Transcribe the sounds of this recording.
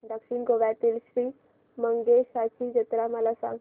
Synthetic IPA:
d̪əkɕiɳɡoʋjat̪iːlɕɾiː | məŋɡeɕat͡ɕid͡ʑət̪ɾaməlasã̰ŋ

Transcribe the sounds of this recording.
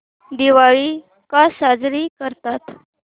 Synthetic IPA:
d̪iʋaɭiː | kasad͡zɾiːkəɾt̪at̪

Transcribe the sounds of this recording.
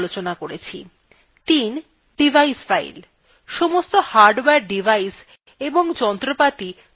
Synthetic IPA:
lot͡ɕonakoɾet͡ɕʰḭ | t̪in | ɖibʱaisfaḭl | ʃomost̪ohaɾɖwɛɾɖivʱais | eboŋd͡ʑɔnt̪ɾopat̪i

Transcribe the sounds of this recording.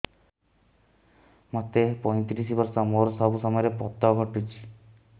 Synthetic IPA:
mot̪epɔj̃t̪ɾisibɔɾsɔmoɾɔsɔbusɔmɔjɔɾepɔt̪ɔɡʱɔʈit͡ʃʰi̥

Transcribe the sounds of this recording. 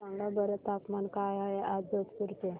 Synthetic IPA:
ãŋɡabəɾet̪apmankajaeʔaət̪kuɾt̪e

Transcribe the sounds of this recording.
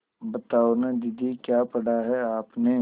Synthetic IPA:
bɐt̪aːonad̪ɪd̪ʱikjaːpɐɽaɦɛaːpne

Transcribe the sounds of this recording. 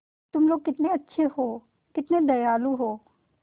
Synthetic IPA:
t̪ʊmloːɡ̚kɪt̪neɐtːʃʰeɦoː | kɪt̪ned̪ɐjaːlũɦoː

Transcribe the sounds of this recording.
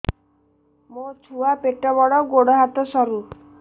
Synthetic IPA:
mot͡ʃʰuapeʈɔbɔɽɔɡoɽɔɦat̪ɔsɔɾu

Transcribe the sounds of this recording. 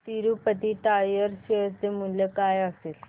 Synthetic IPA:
t̪iɾupət̪iːʈajəɾɕesd̪emuljəkajəsel

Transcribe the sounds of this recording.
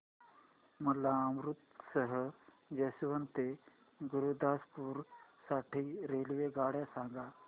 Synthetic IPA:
məlaəmɾut̪səɦə | jəsiʋənt̪e | ɡuɾud̪aspuːɾsaʈʰiːɾelʋeɡaɽjasaŋɡa

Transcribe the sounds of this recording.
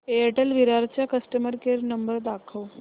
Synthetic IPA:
eəʈəlʋiɾaɾt͡ɕjakəsʈəməɾkeɾnəmbəɾd̪akʰəʋ

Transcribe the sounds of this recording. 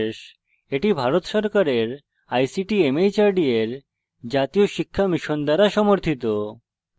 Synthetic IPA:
ʃ | eʈibʱaɾot̪ʃɔɾkaɾeɾ | ajsiʈiemejt͡ɕaɾɖieɾ | d͡ʑat̪ijoʃikʰːamiʃond̪aɾaʃɔmoɾt̪ʰit̪o

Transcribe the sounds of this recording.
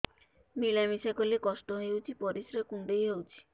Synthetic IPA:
milamisakolekɔsʈɔɦewt͡ʃʰipɔɾisɾekuɳɖejɦewt͡ʃʰi̥

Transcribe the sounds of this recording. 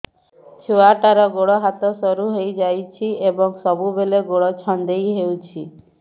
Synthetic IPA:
t͡ʃʰuaʈaɾɔɡoɽɔɦat̪ɔsɔɾuɦejd͡ʒajt͡ʃʰiebɔŋsɔbubeleɡoɽɔt͡ʃʰɔnd̪ejɦewt͡ʃʰi

